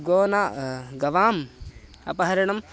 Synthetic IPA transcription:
ɡoːnaːɡɐʋaːm | ɐ̰pɐɦɐɾɐɳɐm

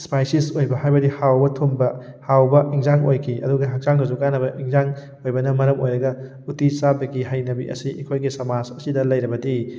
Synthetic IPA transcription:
spajsisojbɐhajbɐdihawbɐtʰumbɐhawbɐʔiŋzaŋojkʰiʔɐ̰duɡɐɦak̚zaŋɡɐzuɡanɐbɐʔiŋzaŋ | ojbɐnɐmɐɾɐmojɾɐɡɐ | utit͡ʃabɐɡiɦajnɐbḭʔɐ̰siʔikʰojɡisɐmad͡ʒɐsidɐlɐjɾɐbɐdi

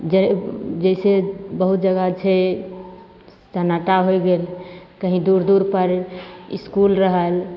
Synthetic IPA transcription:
d͡ʒed͡ʒəɪsebəɦut̪̚d͡ʒəɡat͡ʃʰe | t͡ʃənaʈaɦojɡelkəɦĩd̪uɾd̪uɾpəɾḭskulɾəɦəl

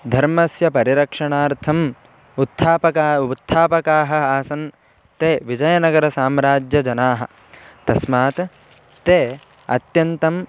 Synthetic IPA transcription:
d̪ʱɐɾmɐsjɐpɐɾiɾɐkʂɐɳaːɾt̪ʰɐm | ut̪ʰːaːpɐkaːt̪ʰːaːpɐkaːɦɐaːsɐn | t̪eːʋid͡ʒɐjɐnɐɡɐɾɐsaːmɾaːd͡ʒjɐd͡ʒɐnaːɦɐ̰̆ | t̪ɐsmaːt̪ | t̪eː | ɐ̰t̪jɐnt̪ɐm

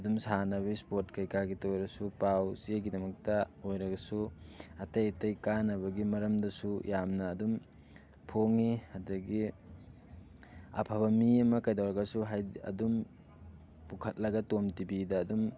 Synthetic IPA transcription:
ɐdumsanɐβispot̚kɐjkaɡitojɾɐsupawzeɡidɐmɐk̚tɐojɾɐɡɐsuɐtɐjtɐjkanɐβɐɡimɐɾɐmdɐsujamnɐːdum | pʰoŋihɐdɐɡi | ɐ̰pʰɐbɐmiɐmɐkɐjdawɾɐɡɐsuɦajɐ̰dum | pukʰɐt̚lɐɡɐtomtibidɐːdum

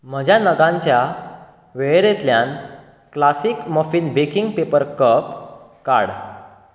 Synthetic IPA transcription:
m̤əd͡ʑʱjanəɡãɲt͡ɕja | ʋeɭɾet̪ljãn | klasikmɔfiːnbekiŋɡpepəɾkəp | ka̰ɽ

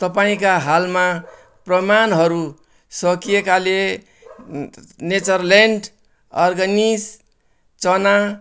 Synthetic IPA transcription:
t̪ʌpaĩkaɦalma | prʌmanɦʌɾu | sʌkijekale | net͡sʌrleɳɖ | ʌrɡʌnis | t͡sʌna

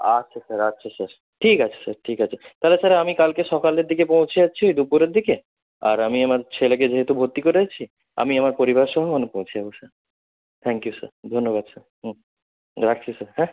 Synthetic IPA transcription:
at͡ɕʰesaɾaɕʰesaɾ | ʈʰikat͡ɕʰe̥saɾʈʰikat͡ɕʰet̪alesaɾamikalkeʃɔkaleɾd̪ikepõwt͡ɕʰeat͡ɕʰiojd̪upuɾeɾd̪ike | a̰ɾamiamaɾt͡ɕʰelek̬ed͡ʑeɦet̪ubʱot̪ːikoɾeat͡ɕʰi | a̰miamaɾpoɾibaɾʃɔɦomonepõwt͡ɕʰiabosaɾ | t̪ʰɛŋkijusa̰ɾd̪ʱonːoβad̪sʰaɾɦ | ɾak̚t͡ɕʰisaɾɦɛ̃

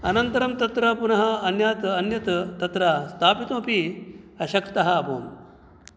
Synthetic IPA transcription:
ɐnɐnt̪ɐɾɐmt̪ɐt̪ɾɐpunɐɦɐɐnjaːt̪ɐnjɐt̪t̪ɐt̪ɾast̪ʰaːpit̪õːpiɐɕɐkt̪ɐɦɐɐpo̰ːm

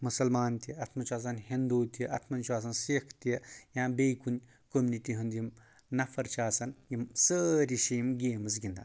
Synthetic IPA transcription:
musɐlmaːnt̪iɐt̪ʰmɐnt͡ʃaːs̬ɐnhind̪uːt̪iʔɐt̪ʰmɐnt͡ʃuaːs̬ɐnsikʰt̪iɐjãːbeːjkunʲ | komniʈiɦund̪jim | nɐfɐɾt͡ʃaːsɐnjimsəɾiʃiːmɡeːmɨz̬ɡʲind̪a

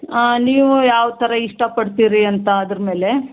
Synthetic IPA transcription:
niːʋujaːʋt̪ʰɐɾɐiʂʈɐpɐɽt̪iːɾiɐnt̪ɐːd̪ɾɐme̞ːle̞

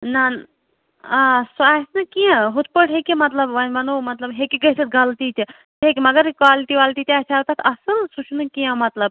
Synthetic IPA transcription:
nan | asasnɨkiãɦut̪̚pəʈɦekimɐt̪lɐbʋɐnʋɐnomɐt̪lɐbɦekiɡɐjsɨt̪̚ɡʱɐlt̪it͡ʃ̪i | ekʲmɐɡɐɾkʋaːliʈiʋaːlʈiːt̪ʲiasʰaːwt̪at̪ʰɐsɨlsut͡ʃʰnɨkijãmɐt̪lɐb̚

